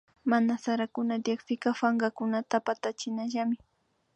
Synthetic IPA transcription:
manasaɾakʊnad̪jakpɪkɑfaŋɢakʊnat̪apat̪at͡ʃɪnaʒamɪ

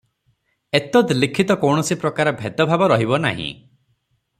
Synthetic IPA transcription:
et̪ɔd̪likʰit̪ɔkɔwɳ̃ɔsipɾɔkaɾɔbʱet̪ɔbʱabɔɾɔɦibɔna̰ɦḭ̃

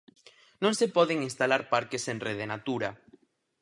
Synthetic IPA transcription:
nõŋsepɔðeŋinst̪alaɾpaɾkesẽnreðenat̪uɾa

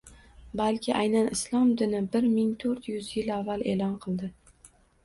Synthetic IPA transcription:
balkʲʰɪʔajnanʔɪslˠɒmd̪ɪnɪbɪɾmɪŋt̪ʰɵɾt̪jʊzjɪlavːale̞lɒnqʰɨlˠd̪ɪ

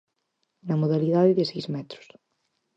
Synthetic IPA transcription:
nɐmoðaliðaðɪðɪsejzmɛt̪ɾʊ̥s

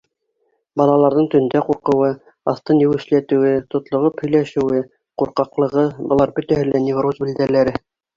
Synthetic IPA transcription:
bɑlˠɑlˠɑɾðɤɴt̪ɵ̆nd̪æquɾqɤ̆wɤ | ɑθt̪ɤnjɘ̆wɘ̆ʃlæt̪ɘ̆wɘt̪ŏt̪lˠŏʁɤphɵ̆jlæʃɘ̆wɘ | quɾqɑqlˠɤ̆ʁɤbɤ̆lˠɑɾbɵt̪æhɘlænevruzbɘ̆ld̪ælæɾɘ

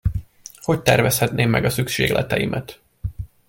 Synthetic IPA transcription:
ho̞c̚t̪ɛrvɛshɛt̪neːmːɛɡɒsykʃeːɡlʔɛt̪ɛjimʔɛt̪

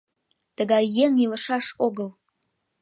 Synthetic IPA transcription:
t̪əɡɑjːeŋiləʃɑʂoɡəl

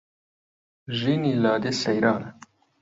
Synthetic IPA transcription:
ʒinilɑːd̪isɐjɾɑːna

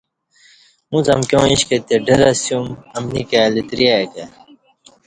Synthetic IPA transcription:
muzɐ̰mkʲjõːiɕket̪eɖɐɾɐsjumɐmnikalit̪ɾijaekɐ

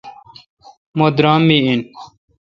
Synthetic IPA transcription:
mod̪ɾaːmːiin

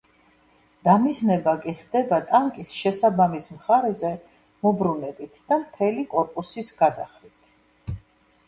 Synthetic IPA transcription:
d̪̥amiznɛbakʼiχd̪ɛbat̪ʼaŋkʼisʃɛsabamismχaɾɛzɛ | mɔbɾunɛbit̪ʰd̪̥amt̪ʰɛlikʼɔɾpʼusisɡ̥ad̪aχɾit̪ʰ

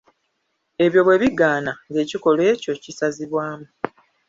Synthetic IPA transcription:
e̞βjo̞βwe̞ːβiɡaːnaŋɡe̞ːciko̞lwe̞ːco̞cisaziβwaːmu

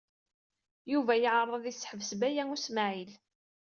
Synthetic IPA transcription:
juvæjəʕərˤːɑðisːħəvsbæjæŋusmaʕil

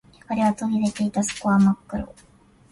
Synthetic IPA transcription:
kaɾe̞βat̪oɲʲid̪et̪e̞it̪aso̥koamakːɯ̟ɾo̰

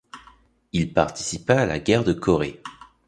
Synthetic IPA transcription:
ilpaʁt̪i̥sipaːla̰ɡʲɛʁd̪əkʰɔʁe

